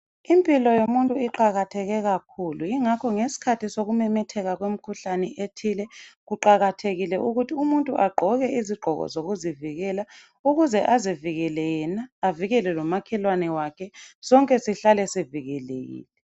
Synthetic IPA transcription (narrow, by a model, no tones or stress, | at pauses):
impʼilɔjomuntʼuiǃaɣatʰɛɣɛɣakʰuluiŋakʰɔŋesi̥kʰatʰisoɣumɛmɛtʰɛɣaɣwem̩kʰuɬanɛʔetʰilɛɣuǃaɣatʰeɣilɛʔuɣutʰiumuntʼuʔaɡ͡ǃʱɔɣɛiziɡ͡ǃʱɔɣɔ̰zoɣuziviɣɛla | uɣuzɛʔaziviɣɛlɛjɛnaːviɣɛlɛlɔmakʰɛlwanɛwakʰɛsɔŋkʼɛsiɬalɛsiviɣɛlḛɣḭːlɛ